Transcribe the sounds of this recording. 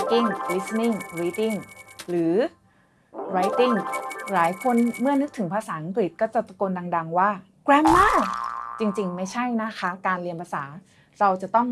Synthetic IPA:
ki˥˩ŋɾi˦˥sni˥˩ŋɾiː˧˥t̪i˥˩ŋɾɯː˩˦ | ɾa˧˥jt̪i˥˩ŋlaː˩˦jkʰo˧nmɯ˥˩ɐnɯ˦˥k̚t̪ʰɯ˩˦ŋpʰaː˧saː˩˦ʔa˧ŋkɾi˨˩t̪̚kɔː˥˩t͡ɕa˨˩t̪a˧ko˧ndaː˧ŋda˧ŋwaː˥˩ | kɾɛ˦˥mːaː˥˩t͡ɕi˧ŋt͡ɕi˧ŋma˥˩jt͡ɕʰa˥˩jna˦˥kʰa˦˥kaː˧nli˧ənpʰa˧saː˩˦ | ɾa˧wt͡ɕa˨˩t̪ɔ˥˩ŋ

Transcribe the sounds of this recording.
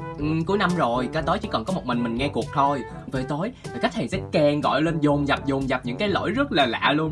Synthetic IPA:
ʔɨ˨˩ku˨˦əjna˧mzo˨˩jkaː˨˦jt̪o˨˦jt͡ɕḭ˧˥˦kɔ˨˩nkɔ˨˦mo˨˩t̚mï˨˩ŋ̟mï˨˩ŋ̟ŋɛ˧ku˨˩ək̚t̪ʰo˧jvəː˨˩t̪o˨˦ja˨˩ka˦˥k̚tʰːsɛ̰˧˥kɛ˧˩ŋɣɔ̰˧˨jle˧nzʊ˨˩ŋ͡mza˨˩p̚zʊ˨˩ŋ͡mza˨˩p̚ɲɨ̰˧˥ŋkaː˨˦jlo̰˧˥jzə˦˥t̚laː˨˩la̰ː˧˨lu˧ən

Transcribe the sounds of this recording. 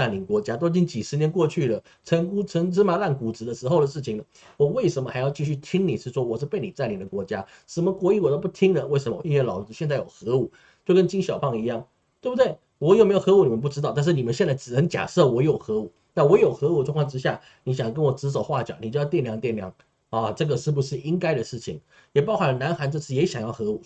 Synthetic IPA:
a˥˩nli˧˥ŋkwɔ˧˥t͡ɕja˥t̪̬o˥ʊt͡ɕi˥˩nt͡ɕi˨˩ʂɻ̩˧˥njɛ˧˥nkwɔ˥˧t͡ɕʰy˥˩d̪ə˩ | ʈ͡ʂʰə˧˥ŋku˥t͡sʰə˧˥ŋʈ͡ʂɻ̩˥ma˧˥la˥˩nku˨˩ʈ͡ʂɻ̩˧˥d̪ə˧ʂɻ̩˧˥xo˥ʊdə˩ʂɻ̩˥˩t͡ɕʰi˨˩ŋd̪ə˩ | wɔ˨˩we˥˩ɪʂə˧˥nmə˧xa˧˥ɪjɑ˥˧ʊt͡ɕi˥˧ɕy˥˩t̪ʰi˥ŋni˨˩ʂɻ̩˥˩ʂwɔ˥wɔ˨˩ʂɻ̩˥˧pe˥˩ɪni˨˩t͡sa˥˩nli˧˥ŋd̪ə˨kwɔ˧˥t͡ɕja̰˥ | ʂə˧˩mə˧kwɔ˧˥i˥˩wɔ˨˩t̪o˥ʊp̬u˥˩t̪ʰi˥ŋd̪ə˨we˥˩ɪʂ̬ə˧˥mə˧˨i˥nwɛ˥˧˩lɑ˨˩ʊʈ͡ʂɻ̩˧˥ɕjɛ˥˧nt͡sa˥˩ɪjo̰˨˩ʊxɤ˧˥u˨˩˦ | t͡ɕjo˥˩ʊkə˥nt͡ɕi˥ŋɕjɑ˨˩ʊpʰɑ˥˧ŋi˧˥jɑ˥˩ŋ | t̪we˥˩bu˧˩d̪we˥˩ɪ | wɔ˨˩jme˧˥ɪjo˨˩xɤ˧˥u˨˩ni˨˩ə˦np̬u˥˩ʈ͡ʂɻ̩˥t̪ɑ˥˧t̪̬nʂɻ̩˥˩ni˨˩mə˦nɕjɛ˥˧nt͡sa˥˩ɪʈ͡ʂɻ̩˨˩nə˧˥ŋt͡ɕja̰˨˩ʂɤ˥˩wɔ˧˥jo˨˩ʊxɤ˧˥u˨˩˦ | na˥˩wɔ˧˥jo˨˩ʊxɤ˧˥u˧˩˦ʈ͡ʂwŋkʰɑ˥˧ʈ͡ʂɻ̩˥ɕ̬ja̰˥˩ | ni˧˥ɕ̬jɑ˨˩ŋk̬ə˥nwɔ˨˩ʈ͡ʂɻ̩˧˥ʂ̬o˨˩ʊxwa˥˩t͡ɕjɑ̰˨˩ʊni˨˩t͡ɕt̪jɛ˥˩nljɑ˧˥ŋt̪jɛ˥˩nljɑ̰˧˥ŋ | ɔ˥˧ʈ͡ʂɤ˥˩ɡə˩ʂɻ̩˥˩bu˧˩ʂɻ̩˥˩i˥ŋka˥ɪɾə˨ʂɻ̩˥˩t͡ɕʰḭ˨˩ŋ | jɛ˨˩pɑ˥ʊxa˥˩lə˩na˧˥nxa˧˥nʈ͡ʂɤ˥˧t͡sʰɹ̩˥˩jɛ˧˥ɕjɑ˨˩ŋjɑ˥˩ʊxɤ˧˥u˨˩˦

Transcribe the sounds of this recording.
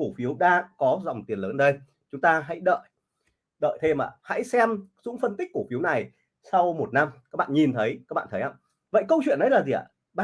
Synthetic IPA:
ku˧˩fi˨˦əwɗaː˧kɔ˨˦zɔ̰˧˨wŋ͡mt̪i˨˩ənləː˨˦nɗə˧j | t͡ɕʊ˨˦ŋ͡mt̪aː˧ɦa̰˧˥jɗə̰ː˧˨j | ɗə̰ː˧˨jt̪ʰe˧mʔa̰ː˧˩ha̰˧˥jsɛ˧mzʊ̰˧˥ŋ͡mfə˧nt̪i˦˥k̚kːu˧˩fi˨˦wna˨˩j | sa˧wmo˨˩t̚na˧mkaː˦˥k̚ɓa̰ː˧˨ɲi˨˩nt̪ʰə˨˦jkaː˦˥k̚ɓa̰ː˧˨nt̪ʰə˦haː˧ | və̰˧˨jkə˧wt͡ɕwḭ˧˨ənʔə˨˦jlaː˨˩zi˨˩aə̰˨˧˩ | ɓa˧

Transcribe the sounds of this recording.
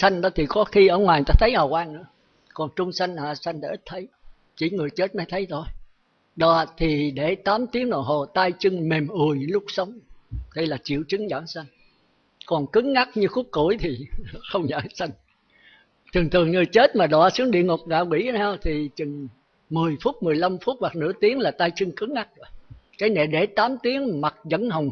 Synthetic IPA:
sa˧jŋ̟ɗɔ˨˦t̪ʰi˨˩kɔ˨˦xi˧ʔəː˧˩ŋwaː˨˩j̪aː˧t̪ʰə˨˦jha˨˩wʔaː˧ŋnɨ̰˧˥ə | kɔ˨˩nt͡ɕʊ˧ŋ͡msa˧jŋ̟aː˧˩sa˧jŋ̟t̪aː˧˩ʔi˦˥t̚t̪ʰə˨˦j | t͡ɕi˧˩ŋɨ˨˩əjt͡ɕe˦˥t̚ma˨˦jt̪ʰə˨˦jt̪ʰo˧j | ɗɔ˧˨t̪ʰi˨˩ɗe˧˩t̪aː˨˦mt̪i˨˦əŋɗɔ̰˧˨˩ɦo˨˩t̪aː˧jt͡ɕɨ˧ŋme˨˩mʔɨ˨˩əjɲɨ˧˨˦lʊ˦˥k͡p̚sə˨˦wŋ͡mɗə˧jlaː˨˩t͡ɕḭ˧˨əwt͡ɕɨ˨˦ŋza̰ː˧˩˦nsa˧jŋ̟ | kɔ˨˩nkɨ˨˦ŋŋa˦˥k̚ɲɨ˧xu˦˥k͡p̚kṵ˧˩əjt̪ʰi˨˩xə˧wŋ͡mɲə̰ː˧˨˦sa˧jŋ̟ | t̪ʰɨ˨˩ŋt̪ʰɨ˨˩əŋɨ˨˩əjt͡ɕe˦˥t̚maː˨˩ɗɔ˧˨˦sɨ˨˦əŋɗḭ˧˨əŋo˨˩k͡p̚ŋa̰ː˧˨wkwḭ˧˥˦haː˧wt̪ʰi˨˩t͡ɕɨ˨˩ŋ | mɨ˨˩əjfu˦˥t̚mɨ˨˩əjla˧mfu˦˥t̚wa˨˩k̚nɨ̰˧˥ət̪i˨˦əŋlaː˨˩t̪aː˧jt͡ɕɨ˧ŋkɨ˨˦ŋŋa˦˥k̚ːkaː˨˦jnḛ˧˨˩ɗe˧˩t̪aː˨˦mt̪i˨˦əŋma˨˩t̚zə̰˧˥nɦə˨˩wŋ͡m

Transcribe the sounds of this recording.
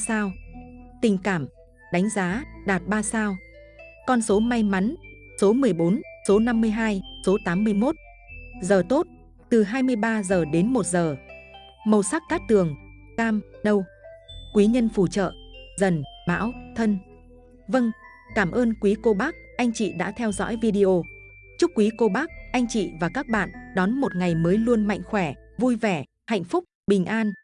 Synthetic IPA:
saː˧wt̪ï˨˩ŋ̟kaː˧˩m | ɗa˨˦jŋ̟zaː˨˦ɗaː˨˩t̚ɓaː˧saː˧w | kɔ˧nso˨˦ma˧jma˨˦n | so˨˦mɨ˨˩əjɓo˨˦nso˨˦na˧mːɨ˧əjɦaː˧jso˨˦t̪aː˨˦mːɨ˧əjmo˦˥t̚ | zəː˨˩t̪o˦˥t̚ | t̪ɨ˨˩ɦaː˧jmɨ˧əjɓaː˧zəː˨˩ɗe˨˦nmo˨˩t̚zəː˨˩ | mə˨˩wsa˦˥k̚ka˦˥k̚t̪ɨ˨˩əŋ | kaː˧mnə˧wkwi˨˦ɲə˧nfu˧˩t͡ɕə̰ː˧˨zə˨˩nma̰ː˧˥wt̪ʰə˧n | və˧ŋ | kaː˧˩mʔəː˧nkwi˨˦ko˧ɓaː˦˥k̚ʔa˧jŋ̟t͡ɕḭ˧˨ɗa̰ː˧˥t̪ʰɛ˧wzɔ̰˧˥jvi˧ɗi˧ʔo˧ | t͡ɕʊ˦˥k̚ːwi˨˦ko˧ɓa˦˥k̚ʔa˧jŋ̟t͡ɕḭ˧˨vaː˨˩kaː˦˥k̚ɓa̰ː˧˨nɗɔ˨˦nmo˨˩t̚ŋa˨˩jməː˨˦jlu˧ənma̰˧˨jŋ̟xwɛ˧˩vu˧jvɛ˧˩ | ha̰˧˨jŋ̟fʊ˦˥k͡p̚ɓï˨˩ŋ̟ʔaː˧n

